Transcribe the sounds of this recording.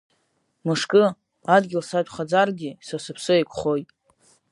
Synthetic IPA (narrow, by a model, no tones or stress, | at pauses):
mɨʂkʼɨ | adɡʲɪlsad͡ʒʷʼχad͡zarɡʲisasɨpʰsɨekʷʰʼχo̞jtʼ